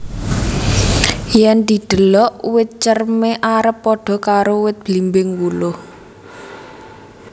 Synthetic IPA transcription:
jɛnd̪i̤d̪̥ə̤lɔʔwɪt̪̚t͡ʃərmeʔaɾəpːɔɖ̥ɔ̤kaɾowɪt̪̚b̥limbɪŋwulʊh

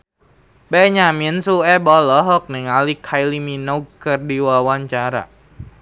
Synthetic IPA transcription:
bɛɲaminsuɛbɔlɔɦɔk̚nɪŋalikʰajliminokɨrdiwawaɲt͡ʃaɾa̰

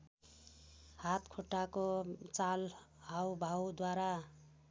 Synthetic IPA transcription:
hat̪kʰoʈːakot͡sal | hawbʱawd̪waɾa

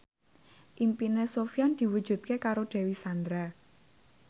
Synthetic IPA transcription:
ʔimpinesofjand̪̥i̤wu̥d͡ʒ̥ṳt̪̚kekaɾoɖ̪̥ɛ̤wisand̪ɾa

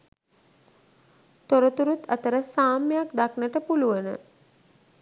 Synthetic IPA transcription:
t̪oɾət̪uɾut̪ət̪əɾəsaːmjjakd̪aknəʈəpuluʋənə̰

